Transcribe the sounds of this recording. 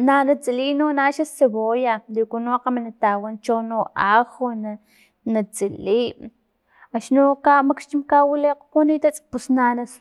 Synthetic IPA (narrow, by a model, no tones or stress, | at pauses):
nanat͡siliːnonaʃaseβojalikunoaqamanat̪awant͡ʃonoaxona | nat͡siliːʔ | aʃnokamakʃt͡ʃimkawileqpunit̪at͡sʼpusnanas